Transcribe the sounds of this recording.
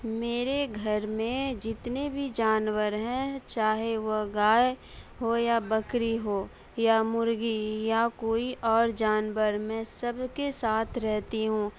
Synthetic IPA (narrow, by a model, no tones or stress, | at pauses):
meːɾeɡʱɐɾmẽd͡ʒɪt̪nebʱid͡ʒaːnwəɾɦɛ̃t͡ʃaːɦeʋoɡaːj | ɦojabɐkɾiɦoː | jamʊɾɡijakoːiʔɔːɾd͡ʒaːnwəɾmɛ̃ːsɐbkesaːt̪ʰɾɛɦt̪iɦũː